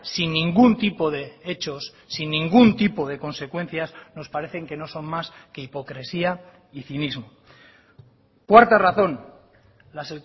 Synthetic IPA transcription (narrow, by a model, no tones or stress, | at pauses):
sinːĩŋɡunt̪ipo̞ðe̞et͡ʃo̞sːinːĩŋɡunt̪ipo̞ð̞e̞ko̞nse̞kwe̞n̟θjasno̞spaɾe̞θe̞ŋke̞no̞so̞nmaske̞ipo̞kɾe̞sia | iθinizmo | kwaɾt̪araθo̞n | lase